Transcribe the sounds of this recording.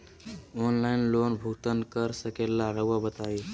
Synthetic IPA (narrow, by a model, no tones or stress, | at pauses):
onlainlonbʱut̪ənkəɾsəkelːaɾəabət̪ai